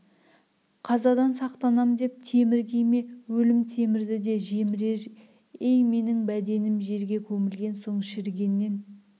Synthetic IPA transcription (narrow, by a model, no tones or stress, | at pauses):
qʰɑzɑd̪ɑnsɑqt̪ɑnɑmd̪e̞p̚t̪ʰe̞mɪɾɡʲejme̞wɵlɪmt̪ʰe̞mɪɾd̪ɪd̪e̞ʒemɪɾeɾ | e̞jme̞nɪŋbæd̪e̞nɪmʒe̞ɾɡʲe̞kʲʰɵmɪlɡʲe̞nso̞ɴʃɪɾɡʲe̞nːe̞n